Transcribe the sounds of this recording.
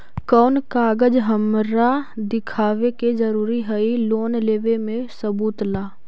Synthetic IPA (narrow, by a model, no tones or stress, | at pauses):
kɔːnkaːɡəd͡ʒɦəmɾad̪ɪkʰaːʋeked͡ʒɐɾuːɾiɦəiloːnleːʋemẽsəbuːt̪laː